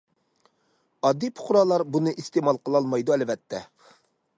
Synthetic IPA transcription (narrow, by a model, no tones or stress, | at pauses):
ɑd̪ːipʰʊ̥χɾɑːlˠɑɾbunɨʔist̪emɑlˠqʰəlˠɑlˠmɑjd̪uɛlvɛt̪ʰːɛ